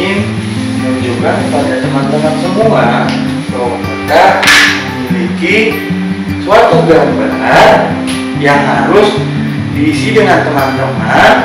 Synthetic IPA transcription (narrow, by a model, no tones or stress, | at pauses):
ɪn | mənd͡ʒuɡakəpadad͡ʒəmant̪əmansəmua | dawakit̪aməmiliki | suat̪ubaaŋbənar | jaŋɦaɾʊs | diːsidəŋant̪əmant̪əman